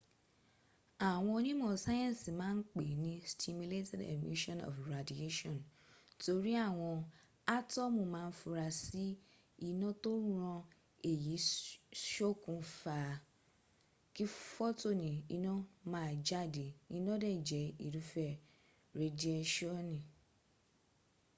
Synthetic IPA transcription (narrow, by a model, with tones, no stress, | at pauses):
a˨w̃ɔ̃˧nĩ˦mɔ̃˨sa˦jɔ̃˦˨si˨mãː˦n̩˦k͡pe˨nĩ˧˦stʰi˧mju˧le˦tɛ˦dḛ˨mḭ˦ʃɔ̃˦nɔ̰˨fɾa˨di˨e˦ʃɔ̃˦˨n | to˧ɾi˦a˦˨w̃ɔ̃˧ | a˦tɔ˦mũ˦˨mãː˦˧n̩˦fu˧ɾa˧si˦ | i˦˨nɔ̃˦to˦ũ˦ɾ̃ɔ̃˧ | e˦˨ji˨˦ʃo˦kũ˧fa˨ | ki˦fɔ˦to˦˨nĩ˨i˧nɔ̃˦mãː˦˨d͡ʒa˦˨de˨i˧nɔ̃˦dɛ˦˨d͡ʒɛ˨˦i˨ɾu˨˦fɛ˦˨ | ɾe˨˧di˧˦ɛ˧ʃɔ˦˨nĩ˨